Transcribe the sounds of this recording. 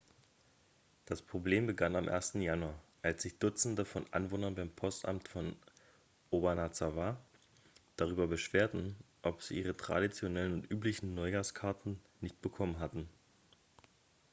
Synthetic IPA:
d̥aspʁ̥obleːmbəɡanamʔḛːɐstn̩januɐʔalsz̥ɪçd̥ʊt͡sn̩dəfɔnʔa̰nvoːnɐnbaɪmpʰɔstʔa̰mtfɔn | ʔobanat͡sava | d̥aʁ̞yːbɐbəʃv̥eːɐtn̩ | ʔɔpz̥ḭːʔiːʁ̞ətʁ̥a̰dit͡sjonɛlənʊntʔyːplɪçn̩nɔʏɡaːskʰaɐtn̩ | nɪçt̚b̥əkʰɔmənɦatn̩

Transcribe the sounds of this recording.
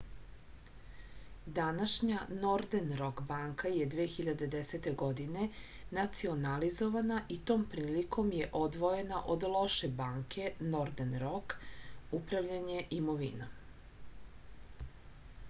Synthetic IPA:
d̪anaʃɲano̞ɾd̪enɾo̞kbaŋkajed̪ʋexiʎad̪e̞d̪eset̪e̞ɡo̞d̪ine̞ | nat̪sio̞nalizo̞ʋanaʔit̪o̞ːmpɾiːlikʰo̞mjeʔo̞d̪ʋo̞je̞naʔo̞d̪lˠo̞ʃebaːŋkʰe̞no̞ɾd̪enɾo̞kupɾaʋʎaɲe̞ʔimo̞ʋḭna

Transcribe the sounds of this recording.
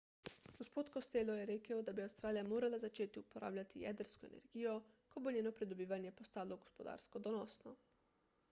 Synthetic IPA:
ɡ̥ospot̪kost̪eːlojɛɾeːkaod̪abiawst̪ɾaːlijamoːɾalazat͡ʃeːt̪iupoɾʔa̰ːblʲat̪ija̰d̪əɾskɔḛnḛɾɡiːjo | kobonɲeːnopɾid̪obiːʋanjɛpost̪aːloɡospod̪a̰ːɾskod̪onosnɔ

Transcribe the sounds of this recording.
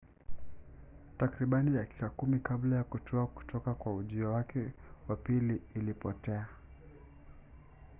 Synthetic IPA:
takɾiɓaniɗaki̥kakumikablajakutʰɔaku̥tʰɔkakwauʄiɔwakɛwapiliːlipɔtɛa

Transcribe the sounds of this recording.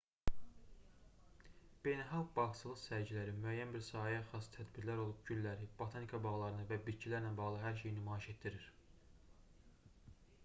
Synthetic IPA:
b̥e̞jnælˠxɑlɡbɑxsɯlˠɯχsæɾɟilæɾimyæjːænbiɾsɑːiæxɑst̪ʰæd̪biɾlæɾo̞lˠupɟyllæɾib̥ot̪ʰɑnikʰɑbɑʁlˠɑɾɯnɯvæbit̪cʰilæɾnænbɑʁlˠɯɦæɾʃ̬e̞jinymɑːiʃe̞t̪̚d̪iɾiɾ̥

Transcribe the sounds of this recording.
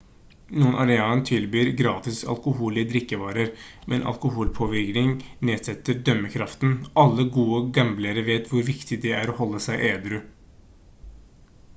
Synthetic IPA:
nuːənʔɑɾɛɑːnt̪ʰɪlbyːɾɡɾɑːt̪ɪsɑ̰lkʊɦuːlɪəd̪ɾɪkːəʋɑːɾəɾ | mʔɛ̰nʔɑ̰lkʊhuːlpʰoːʋɪɾknɪŋneːd̪sɛt̪ːəɾɖ̪œmːəkʰɾɑft̪nʔɑlːəɡuːəɡɑmbləɾəʋeːt̪ʋʊɾʋɪkt̪ɪd̪ɛæɾɔhɔlːəsæɪʔeːd̪ɾʉ

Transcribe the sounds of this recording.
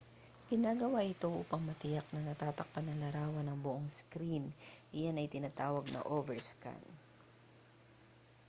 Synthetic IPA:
ɡ̥ɪnaɡɐwaʔɪt̪o̞ʔuːpɐŋmɐt̪ɪjak̚nɐnɐt̪aːt̪ɐk̚pɐnːɐlɐɾaːwɐnɐŋbʊʔoŋskɾinʔɪjanɐjt̪ɪnaːt̪aːwɐɡ̚nɐ̰ʔovɛɹska̰n

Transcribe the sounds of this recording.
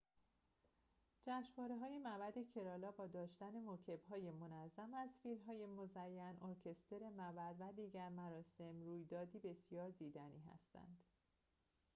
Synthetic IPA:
d͡ʒæʃvɒːɾe̞ɦɒːjemæbæd̪e̞cʰe̞ɾɒːlɒːbɒːd̪ɒːʃt̪æne̞mocʰe̞bɦɒːjemo̞næzːæmæzfiːlmɦɒːje̞mo̞zæjːænʔoɾcʰe̞st̪ʰe̞ɾe̞mævæd̪væd̪iːɟæɾmæɾɒːse̞mɾuːjd̪ɒːd̪iːbe̞sjɒːɾd̪iːd̪æniːɦæ̰st̪ʰæ̰nd̪̥

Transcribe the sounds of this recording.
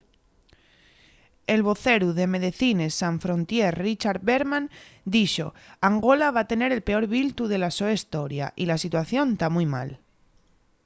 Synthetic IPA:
e̞lβo̞θe̞ɾuðe̞me̞ðeθine̞sːaɱfɾo̞nt̪jerrit͡ʃaɾðβeɾmãnd̪iʃo̞̰aŋɡo̞laβ̞at̪e̞ne̞ɾe̞lpe̞o̞ɾβilt̪uðe̞laso̞est̪o̞ɾja̰ʔilasit̪waθjo̞nd̪amujma̰l

